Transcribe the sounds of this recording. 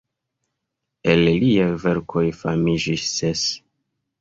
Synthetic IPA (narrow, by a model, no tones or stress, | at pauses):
e̞lliajve̞ɾkʰo̞jfamid͡ʒisːes